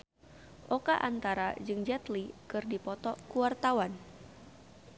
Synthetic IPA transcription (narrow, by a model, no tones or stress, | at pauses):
ʔɔkaʔant̪aɾad͡ʒɨŋd͡ʒɛt̪likɨrdipɔt̪ɔkuwart̪awan